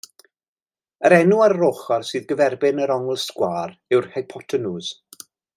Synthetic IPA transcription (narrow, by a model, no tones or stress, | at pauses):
əɾɛnuarroχarsɨːðɡəvɛrbɪnəɾɔŋɛlˠskwaːɾɪwrhajpʰɔtʰənuːz̥